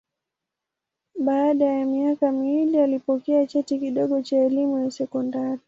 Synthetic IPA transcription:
ɓaːɗajamiakamiwilialipɔkɛat͡ʃɛtikiɗɔɠɔt͡ʃaɛlimujasɛkɔndaɾi

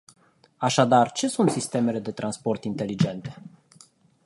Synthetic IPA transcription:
aʃad̪art͡ʃe̞sunt̪sist̪e̞me̞le̞d̪e̞t̪ɾanspo̞rt̪int̪e̞lid͡ʒe̞nt̪e̞̥

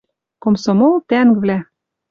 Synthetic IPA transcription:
komsomolt̪æŋkvlæ

